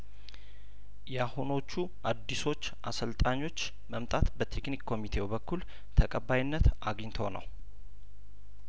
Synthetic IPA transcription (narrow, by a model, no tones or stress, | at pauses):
jahuno̞t͡ʃːu | ʔad̪ːiso̞t͡ʃːʔasəlt̪ʼaɲːo̞t͡ʃː | məmt̪ʼat̪bət̪ʰe̞knikkʰːo̞mit̪ʰewbəkʰːul | t̪ʰəkʼəbːajɪnːət̪ʔaɡɲt̪ʰonə̰w